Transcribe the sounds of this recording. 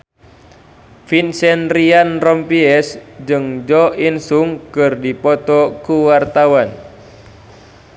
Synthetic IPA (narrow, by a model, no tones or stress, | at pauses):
finsɛnrianrɔmpiɛsd͡ʒɨŋd͡ʒɔinsuŋkɨrdipɔt̪ɔkuwart̪awan